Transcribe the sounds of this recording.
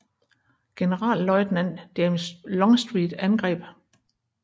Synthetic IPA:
ɡ̥e̝nəʁɑ̰̈ːllɒ̽ɪd̥næn̰d̥emslɒ̽ŋsd̥ʁiːd̥ænɡ̥ʁɛ̰ːb̥

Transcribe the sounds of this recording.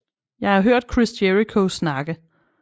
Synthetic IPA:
jɑ̈ɪhɑ̈ɦøɐ̰d̥̚kʰʁisd̥jeʁikʰosnɑ̈ɡ̥ə

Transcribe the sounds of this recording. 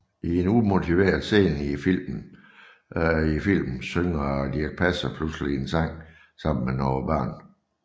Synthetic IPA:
ʔie̝numo̝t͡sʰiʋe̝̰ːɐðˠse̝̰ːnifil̰mn̩ | ifil̰mn̩søŋd̥iɐɡ̥̚pʰæsɐpʰluslie̝nsɑ̈ŋ̰ | sɑ̈m̰n̩menɒʊɐb̥ɶ̰ːn

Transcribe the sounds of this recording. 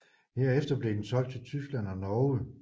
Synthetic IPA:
he̝ɐ̰efd̥ɐb̥le̝d̥ensɒ̽l̰ɡ̥̚t͡sʰe̝lt͡sʰysɡ̥læn̰ɒnɒːə

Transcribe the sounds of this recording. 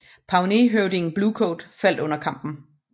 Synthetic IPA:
pʰɑ̈ʊneɦøʊdiŋ̩b̥lukʰoːd̥fæl̰d̥ɔ̽n̰ɐkʰɑ̈m̰b̥n̩

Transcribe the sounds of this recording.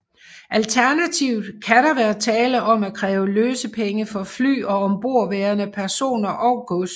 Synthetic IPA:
ʔælt͡sʰæɐnæt͡sʰiʊ̰d̥kʰæɾɑʋæɐt͡sʰɛːləʔɒ̽mækʰʁɛːʊəløːsəpʰeŋəfɒ̽fly̰ːɒ̽ɒmb̥o̝ɐ̰ʋeːɐnəpʰæɐso̝̰ːnɐʔɒ̽ʊɡ̥ɔs

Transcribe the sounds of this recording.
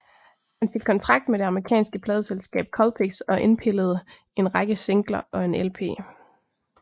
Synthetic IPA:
hænfe̝ɡ̥̚kʰːɒ̽nt͡sʰʁɑ̈ɡ̥̚d̥meɾ̥e̝ɑ̈mɐʁikʰɛ̰ːnsɡ̥əpʰlɛːð̞ˠselsɡ̥ɛ̰ːb̥̚kʰɒ̽lpʰeɡ̥sɒ̽ʔe̝npʰe̝ləð̞̩ˠ | e̝nʁɑ̈ɡ̥əse̝ŋɡ̥lɐʔɒ̽e̝nelpʰe̝̰ː

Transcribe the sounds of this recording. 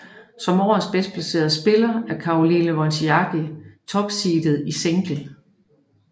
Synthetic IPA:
sɒ̽mɒ̰ːsb̥esd̥̚pʰlæse̝̰ːɐðˠsb̥e̝lɐæɐkʰɑ̈o̝linəʋɒnsiɑɡ̥it͡sʰɒ̽b̥siːd̥ð̞̩ˠiseŋɡ̥l̩

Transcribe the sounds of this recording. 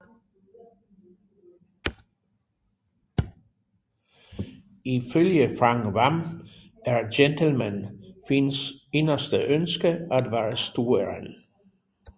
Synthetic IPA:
iføljəfʁɑŋʋɑm | æɹdentʰəl̩mænfɪnse̝nɐsd̥əʔønsɡ̥əæd̪ʋæːɹəst̪uːəɹən

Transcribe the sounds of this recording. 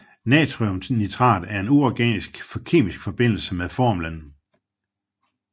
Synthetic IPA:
nɛːt͡sʰʁiomnit͡sʰʁɑ̰̈ːd̥æɐe̝nuɒɡ̥ɛ̰ːnisɡ̥fɒkʰe̝̰ːmisɡ̥fɒ̽b̥e̝n̰l̩səmeðˠfɒ̰ːmlən

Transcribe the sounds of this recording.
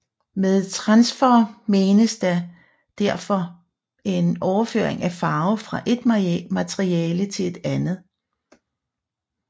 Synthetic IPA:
meðˠt͡sʰʁɑ̈nsfɒme̝ːnəsd̥æ | d̥æɐ̰fɒ̽ | e̝nɒʊɐfø̰ɐ̰eŋæfɑ̈ːʊfʁɑ̈ʔe̝d̥mæt͡sʰʁiɛːlət͡sʰe̝e̝d̥ænð̞̩ˠ

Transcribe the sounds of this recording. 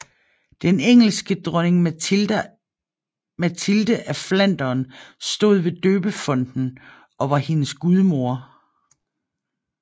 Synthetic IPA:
d̥eneŋ̰l̩sɡ̥əd̥ʁœneŋ | mæt͡sʰild̥əʔæflæn̰d̥ɐːnsd̥o̝̰ð̞ˠʋe̝d̥øːb̥əfɒ̽n̰d̥n̩ | ɒ̽ʋɑ̈he̝nəsɡ̥uð̞ˠmo̝ɐ̰

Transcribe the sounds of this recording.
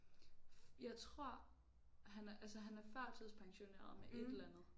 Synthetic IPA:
jɑ̈ɪt͡sʰʁo̝ɐ̰ | ɦænʔælsəɦænæɐfɶɐ̰t͡sʰið̰ˠspʰɑ̈ŋɕo̝nḛːɐ̰ðˠmeʔe̝delænð̩ˠ

